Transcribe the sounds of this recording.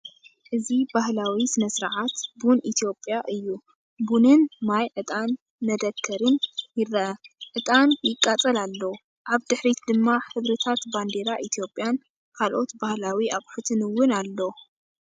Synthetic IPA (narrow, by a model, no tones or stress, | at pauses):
ʔɨzibahlawisɨnɐsɾaʕat̪bunʔit̪ʰijo̞pʼːjaʔɨjːu | bunɨnmajʕɨt̪ʼanː | ɐd̪ɐkʰːɐɾɨnjɪrːɐʔɐʕɨt̪ʼanjɪkʼːat͡sʼɐlalːow | ʔaβd̪ɨħɾit̪d̪ɨmːaħɨβɾit̪ʰat̪band̪e̞ɾaʔit̪ʰijo̞pʼːjan | kʰalʔo̞t̪bahlawiakʼħut̪ʰɨnɨwːʊnalːo